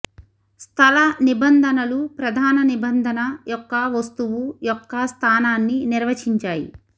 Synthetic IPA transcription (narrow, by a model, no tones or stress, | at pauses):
st̪ʰɐlɐnibɐnd̪ʱɐnɐlupɾɐd̪ʱaːnɐnibɐnd̪ʱɐnɐjɔkːɐʋɐst̪uʋujɔkːɐst̪ʰaːnaːnːiniɾʋɐt͡ʃiɲt͡ʃaːjḭ